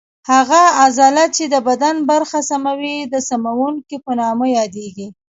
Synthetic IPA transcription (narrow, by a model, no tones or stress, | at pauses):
haɣaːzɑlat͡ʃed̪əbad̪anbaɾxasamawid̪əsamawuŋkipənɑməjɑd̪eɡi